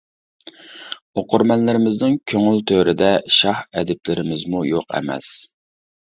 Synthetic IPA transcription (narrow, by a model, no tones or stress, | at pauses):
oqʰʊɾmɛnlɪɾɪmɪznɪŋkʲʰøŋylt̪ʰøɾɪd̪ɛʃɑhɛ̰d̪ɪplɪɾɪmɪzmujoqʰɛ̰mɛ̰s